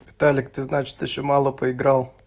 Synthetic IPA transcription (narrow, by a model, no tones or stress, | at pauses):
vʲɪt̪alʲɪkt̪ɨznat͡ɕɪ̥t̪jɪɕːomalˠəpəɪɡɾalˠ